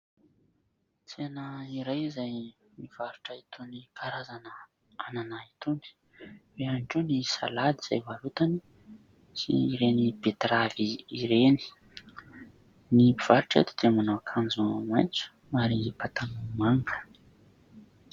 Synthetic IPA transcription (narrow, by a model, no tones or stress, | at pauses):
t͡seanaiɾajizaj | niv̥aɾuʈ͡ʂait̪ʰunikʰaɾazanə | ananait̪uni̥ | weanʈ͡ʂunisa̰lad̪iz̥ajvalut̪ani | sḭːɾenibet̪ɾaviiɾeni̥ | nipiv̥aɾuʈ͡ʂḛt̪u̥d̪̥emanoakʰand͡zumajnt͡su̥ | maɾiipat̪anumaŋɡulə̥